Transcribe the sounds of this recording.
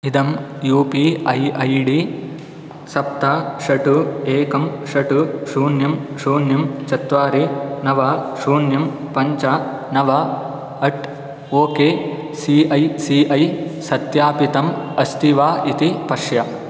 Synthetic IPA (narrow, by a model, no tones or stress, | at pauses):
id̪ɐmjuːpiːɐjɐjɖiː | sɐp̚t̪aʃɐʈueːkɐmʃɐʈuʃuːnjɐmʃuːnjɐmt͡ʃɐt̪ʋaːɾinɐʋɐːʃuːnjɐm | pɐɲt͡ʃɐ | nɐʋɐ | ɐʈ | oːkeː | siːɐjsiːʔɐjsɐt̪jaːpit̪ɐmɐst̪iʋaːʔit̪ipɐʂjɐ